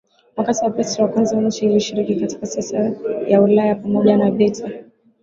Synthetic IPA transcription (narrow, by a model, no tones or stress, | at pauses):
mwakatiwapɾɛswakwanzawan̩ʃailiʃiɾikikati̥kasɛsajaulajapamɔʄanaɓɛtʰa